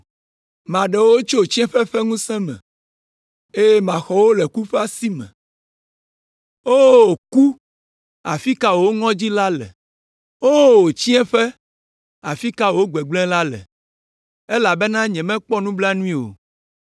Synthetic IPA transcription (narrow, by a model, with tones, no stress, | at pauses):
mã˨ɖɛ˨wo˦o˦t͡ʃo˦o˨t͡ɕĩ˦ɛ̃˦ɸɛ˦ɸɛ˦ŋũ˦sɛ̃˦mɛ̰̃˨ | e˦jmã˨xɔ˨wo˦lɛ˨ku˦ɸɛ˦a˦si˦mɛ̰̃˨ | o˦o˨ku˦ | a˨fi˦ka˦wo˨wo˦ŋɔ̃˦d͡ʑi˦la˦lɛ̰˨ | o˦wo˨t͡ɕi˦ɛ̃˦ɸɛ˦ | a˨fi˦ka˦wo˨wo˦ɡ͡bɛ˨ɡ͡blɛ̃˦la˦lɛ̰˨ | e˦la˨bɛ˦nã˦ɲɛ̃˨mɛ̃˦k͡pɔ˦nũ˦bla˦nũ˦ĩ˦o̰˨